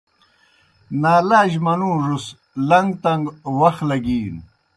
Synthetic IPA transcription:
naːlaːʑmɐnũːʐus | lɐŋɡt̪ɐŋɡwɐxlɐɡiːn

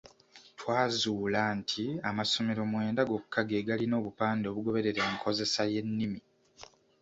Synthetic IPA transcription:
twaːzuːlantʰiamaso̞me̞ɾo̞mwe̞ːndaɡo̞kukːaɡeːɡalino̞ːβupaːndo̞ːβuɡo̞βe̞ɾe̞ɾeːŋkʰo̞ze̞saje̞nːimi

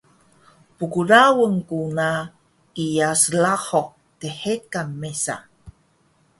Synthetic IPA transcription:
pukuɾawəŋkuna | ijaslaxo | teħekːamːesa̰

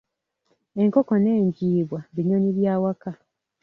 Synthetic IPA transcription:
e̞ŋkoko̞ne̞ːɲɟiːβwaβiɲoɲiβjaːwaka

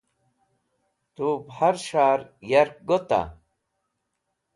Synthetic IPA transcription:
t̪ubhaɾʃaːɾjɐɾk̚ɡot̪a̰

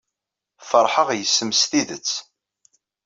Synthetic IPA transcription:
fəɾˤħəʁjəsːəmsθiðət͡sː

